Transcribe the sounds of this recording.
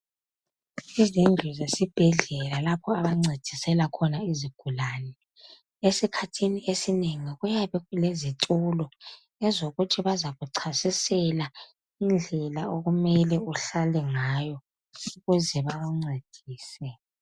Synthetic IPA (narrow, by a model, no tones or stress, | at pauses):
izind͡ɮʱuzesib̥ʱɛɮɛlalapʰɔaβaŋ͡ǀed̥ʱisɛlakʰɔnaiziɡ̥ʱulaːnɛ | esikʰatʰiniesineŋiɣujaβɛɣulezitʼulɔ | ɛzoɣutʰiβazaɣuǀʰasisɛla | ind͡ɮʱɛlaoɣumɛlɛuɬalɛŋaːjɔ | iɣuziβaɣuŋ͡ǀed̥ʱiːsɛ